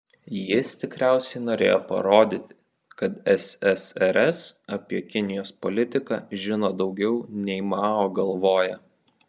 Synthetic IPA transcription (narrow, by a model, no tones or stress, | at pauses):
jɪst̪ʲɪkɾʲæˑʊsʲɛɪnoːɾʲḛːjoːpɐ̰ɾoːd̪ʲiːt̪ʲɪ | kɐt̪ɛsɛsɛɾɛsɐpʲiɛkʲɪnʲɪjoːspɔlʲɪt̪ʲɪkɑ̰ʒʲɪnoːd̪ɒʊɡʲɛʊnʲɛɪmɑːoːɡɐlˠʋoːjɛ